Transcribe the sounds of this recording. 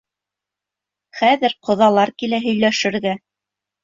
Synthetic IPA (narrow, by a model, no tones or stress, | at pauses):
χæðɘɾqʰŏðɑlˠɑɾkilæɦɵ̆jlæʃɘ̆ɾɡæ